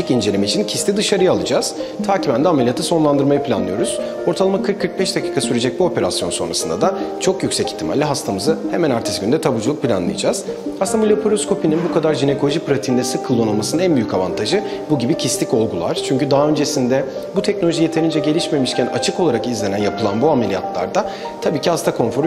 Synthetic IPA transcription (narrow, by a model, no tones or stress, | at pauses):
icind͡ʒe̞lʲimit͡ʃʰincʰist̪ʰʲid̪ɯʃaɾɯjalˠɯd͡ʒaz̥t̪ʰaːcibænd̪ɛamelʲijat̪ʰaso̞nlˠand̪ɯɾmajɯpʰlʲa̰nlˠɯjo̞ɾuz̥ | o̞ɾt̪ʰalˠamakʰɯɾkʰːɯɾk̚bɛʃd̪acʰiːkʰasyɾed͡ʒɛc̚buo̞pe̞ɾasjo̞nso̞nɾa̰sɯnd̪ad̪at͡ʃʰo̞kjycsɛci̥t̪ʰːima̰lʲːiɦast̪ʰamɯzɯhemænaɾt̪ʰi̥sɡynd̪ɛt̪ʰabud͡ʒulˠuk̚pʰilʲa̰nlˠɯ̰jad͡ʒaːz̥asɯnd̪abulʲepʰoɾoskʰo̞pininbukad̪aɾʒine̞kʰo̞lˠoʒipɾat̪ʰiːnd̪ɛsɯkʰːɯlˠːonɯlˠmasɯnɯnænbyjycava̰nt̪ʰaʒɯbuɟibicʰislʲico̞lˠɡulˠa̰ɾ̥t͡ʃʰyɲcyd̪aɦaø̞nd͡ʒesind̪ɛ | but̪ʰɛc̚no̞lʲoʒije̞t̪ʰe̞ɾind͡ʒɛɟe̞lʲiʃme̞miʃcʰæna̰t͡ʃʰɯko̞lˠaɾakizlʲenænjapʰɯlˠanbuamelʲija̰t̪ʰlˠa̰ɾd̪a | t̪ʰabiːcihast̪ʰakʰo̞nfoɾ